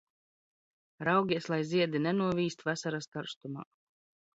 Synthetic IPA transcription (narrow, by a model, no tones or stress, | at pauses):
ɾawɡʲiɛslˠajziɛd̪inɛnuɔviːst̪vasaɾask̪aɾst̪uma̰ː